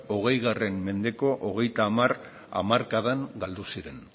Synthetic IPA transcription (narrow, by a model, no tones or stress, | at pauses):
o̞ɣ̞e̞jɣare̞mme̞nd̪e̞ko̞ʔoɣ̞e̞jt̪aːmar | a̰maɾkaðaŋɡald̪usiɾe̞n